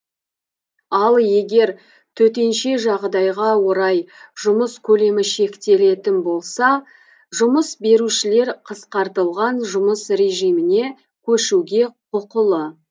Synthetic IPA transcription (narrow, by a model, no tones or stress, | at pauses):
ɑlˠje̞ɡʲe̞ɾ | t̪ʰɵt̪̬e̞nʃe̞ʒɑʁd̪ɑjʁɑwo̞ɾɑjʒ̥ʊməskʲʰɵle̞mɪʃe̞kt̪e̞le̞t̪ɪnbo̞lˠsɑ | ʒʊməsbe̞ɾuʃɪle̞ɾqʰəsqɑɾt̪əlˠʁɑnʒʊməsɾe̞ʒijmɪne̞ | kʲʰɵʃuɡʲe̞qʰʊqəlˠə